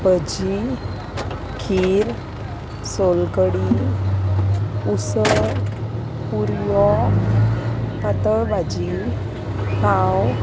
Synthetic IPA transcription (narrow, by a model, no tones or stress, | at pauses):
bəd͡ʑi | kʰiɾ | solkəɽi | usəɾ | puɾjɔ | pat̪əɭbad͡ʑi | kaw